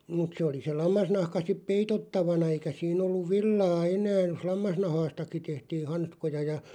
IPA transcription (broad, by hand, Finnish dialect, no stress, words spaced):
mut se oli se lɑmːɑsnɑhkɑ sip peitotːɑʋɑnɑ eikæ siːn olːuʋ̆ ʋilːɑː enæː jos lɑmːɑsnɑhɑːstɑki tehtiː hɑnskojɑ jɑ